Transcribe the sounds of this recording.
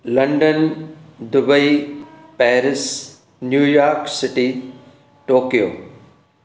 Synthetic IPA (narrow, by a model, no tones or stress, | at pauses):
lɐ̃ɳɖənd̪ʊbəipɛːɾɪs | njuːjaːɾksɪʈi | ʈoːkijo̰ː